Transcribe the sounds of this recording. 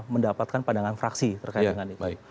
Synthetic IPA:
məndapat̪̚kanpadaŋanfɾaksit̪ərkaid̪əŋanit̪

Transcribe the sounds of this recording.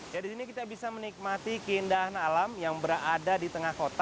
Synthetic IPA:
jadisinikit̪abisamənik̚mat̪ikəindaɦanalamjaŋbəɾaadadit̪əŋahkot̪a

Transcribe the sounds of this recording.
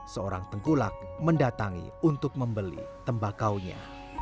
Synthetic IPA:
səoɾa̰ŋt̪əŋkula̰k̚məndat̪aŋḭunt̪ʊk̚məmbəlḭt̪əmbakawɲa̰

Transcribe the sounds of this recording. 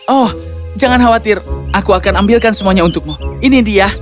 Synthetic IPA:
ʔɔh | d͡ʒaŋanɦawat̪ɪrʔakuakanambilkansəmuaɲaunt̪ʊk̚muinidia

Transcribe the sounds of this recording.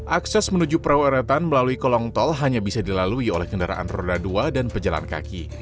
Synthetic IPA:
ʔaksɛsmənud͡ʒupəɾawaɾat̪anməlaluikɔlɔŋt̪ɔlɦaɲabisadilaluiolɛhkəndaɾa̰ʔa̰nro̰daduadanpəd͡ʒala̰nka̰ki

